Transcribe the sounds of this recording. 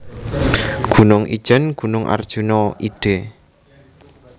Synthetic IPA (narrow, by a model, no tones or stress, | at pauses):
ɡ̥ṳnʊŋʔḭ̥ʒ̥ənɡ̥ṳnʊŋʔa̰rd̥ʒ̥unɔʔiɖ̥e